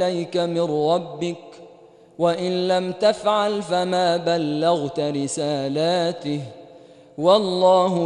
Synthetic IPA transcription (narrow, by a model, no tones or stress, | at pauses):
ajkamɪnɾˤɑbːɪk̚ | waʔɪnlamt̪afʕalfamaːbalːaɣt̪ɾɪsaːlaːt̪ɪh | wɑlˤːɑːɦʊ